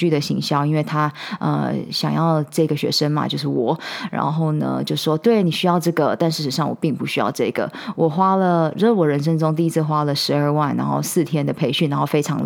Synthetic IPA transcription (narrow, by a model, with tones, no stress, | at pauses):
y˥˩d̪ə˩ɕḭ˧˥ŋɕjɑ˥ʊi˥nwe˥˩ɪt̪ʰa˥ə̰˧ɕjɑ˨˩ŋjɑ˥˧ʊʈ͡ʂɤ˥˩i˧ɡə˩ɕɥɛ̰˧˥ʂə˥ŋma̰˨t͡ɕjo˥˧ʊʂɻ̩˥˩wɔ˨˩˦ɻa̰˧˥nxo˥˩ʊnə̰˩t͡ɕjo˥˧ʂʂwɔ˥t̪we˥˩ɪni˨˩ɕy˥jɑ˥˧ʊʈ͡ʂɤ˥˩ɡə˩t̪a˥˧nʂɻ̩˥˩ʂ̩˧˩˦ʂɑ˥˩ŋwɔ̰˨˩pi˥˩ŋpu˧˥ɕy˥jɑ̰˥˧ʊʈ͡ʂɤ˥˩ɡ̥ə̰˩ | wʔɔ˨˩xwa˥lə˨ɻu˧˥˩wɔ˨˩ɻə˧˥nʂ̬ə˥ŋʈ͡ʂʊ˥ŋt̪̬i˥˧i˥t͡s̩ʰ˥˧xwa˥lə˨ʂɻ̩˧˥ə˞˥˧wa˥˩nːa̰˧˥nxo̰˥˧ʊsɹ̩˥˩t̪ʰjɛ˥nd̪ə˨pʰe˧˥ɪɕy˥˩na˧˥nxo˥˩ʊfe˥ɪʈ͡ʂʰɑ˧˥ŋ